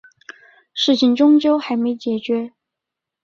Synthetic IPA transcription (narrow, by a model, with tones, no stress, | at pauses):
ʂɻ̩˥˩t͡ɕʰi˧˩ŋʈ͡ʂʊ˥ŋt͡ɕjo˥ʊxa˧˥ɪme˧˥ɪt͡ɕjɛ˨˩t͡ɕɥɛ˧˥